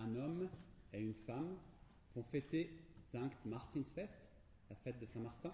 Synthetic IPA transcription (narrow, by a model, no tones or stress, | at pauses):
ɛ̃nɔmeynfam | vɔ̃fet̪esɛ̃kt̪maʁt̪insfɛst̪ | lafɛt̪̚d̪əsɛ̃maʁt̪ɛ̃